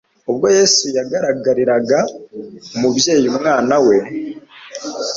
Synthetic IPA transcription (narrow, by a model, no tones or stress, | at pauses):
oβɡo̞je̞sujaɡaɾaɡaɾiɾaɡa | omuβje̞ːjumŋaːnawe̞